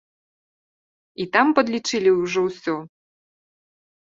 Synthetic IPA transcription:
it̪ampɐd̪lʲit͡ʂɨlʲiwʐɔwsʲɔ

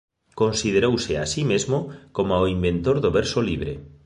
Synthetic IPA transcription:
konsið̞eɾowsea̰simezmokomaoimbẽnt̪oɾðoβeɾsoliβ̞ɾḛ

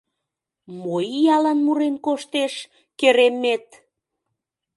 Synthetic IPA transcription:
mojijɑlɑnmuɾenkoʃt̪eʃ | keɾemːet̪̚

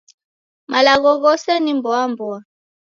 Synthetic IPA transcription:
malaɣɔɣɔsanimbɔambɔa

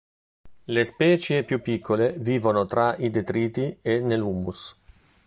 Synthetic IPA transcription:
lespɛːt͡ʃjepjupːikʰːoleviːvonot̪ɾaid̪et̪ɾiːt̪ienelumːus

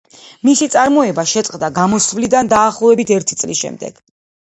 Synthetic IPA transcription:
misit̪sʼaɾmɔɛbaʃɛt̪sʼqʼd̪aɡamɔsvlid̪and̪aːχlˠɔvɛbit̪ʰɛɾt̪ʰit̪sʼlḭsʃɛ̰md̪ɛ̰ɡ̥

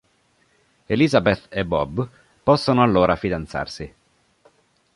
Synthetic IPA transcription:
elizabet̪ːebːɔb | pɔsːonoalːoːɾafid̪ant̪sa̰rsi

